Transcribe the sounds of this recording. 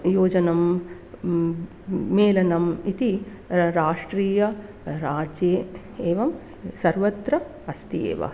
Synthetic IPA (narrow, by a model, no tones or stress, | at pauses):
joːd͡ʒɐnɐm | eːlɐnɐmit̪i | ɾaːʂʈɾiːjɐ | ɾaːd͡ʒjeː | eːʋɐm | sɐɾʋɐt̪ɾɐ | ɐst̪ijḛːʋɐ̰